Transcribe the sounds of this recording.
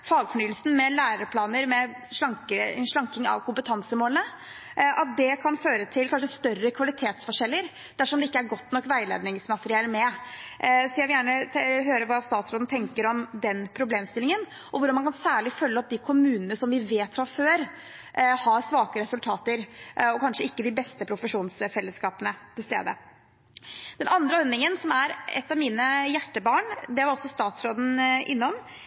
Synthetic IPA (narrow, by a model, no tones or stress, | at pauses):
fɑːɡfɔɳyːəlsn̩mɛlæːɾəɾpʰlɑːnəɾmɛ | ʂlɑŋkəʂɭɑŋkɪŋɑ̰ʋkʰʊmpət̪ʰɑnsəmoːlənə | ʔɑt̪̚d̪ɛkʰɑnføːɾət̪ʰɪlkʰɑnʂəst̪œrːəkʰʋɑlɪt̪ʰeːt̪sfɔʂɛlːəɾ | d̪̥æʂɔmd̪ɛɪkːəæɾɡɔt̪ːnɔkːʋæɪlḛːd̪nɪŋsmɑt̪əɾɪɛːləmɛʔsɔjæɪʋɪljæːɳəɦøːɾəʋɑst̪ɑːt̪sɾoːd̪n̩t̪ʰɛŋkəɾɔmd̪ɛnpʰɾʊbleːmst̪ɪlɪŋən | ʔɔʋʊɖɑmɑnkʰɑnsæːɭɪfœlːəɔp̚d̪ɪkʰʊmʉːnənəsɔmʋɪʋeːt̪fɾɑføːɾ | ʔhɑsʋɑːkəɾɛsʉlt̪ʰɑːt̪əɾɔkʰɑnʂəɪkːəd̪ɪbɛst̪əpʰɾʊfəʂuːnsfɛlːəskɑːpənət̪ʰɪlst̪ḛːd̪ə̰ | d̪̥ɛnɑnd̪ɾəɔnɪŋənsɔmæɾɛ̰t̪ːɑʋmiːnəjæʈːəbɑːɳd̪ɛʋɑɾɔsːɔst̪ɑːt̪sɾoːd̪n̩ʔɪ̰nːɔm